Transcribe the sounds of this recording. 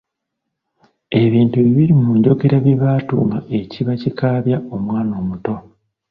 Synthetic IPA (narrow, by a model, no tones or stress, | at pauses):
e̞βiːntuβiβiɾimuɲɟo̞ɡe̞ɾaβiβaːtṵŋaʔe̞ciβacikaːβjao̞mwaːno̞ːmuto̞